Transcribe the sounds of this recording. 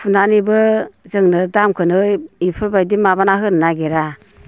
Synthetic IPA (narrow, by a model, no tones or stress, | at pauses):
pʰunanibɯzɯŋnɯdamkʰɯnɯjipʰɯɾbajdimabanaɦɯnnaɡeɾa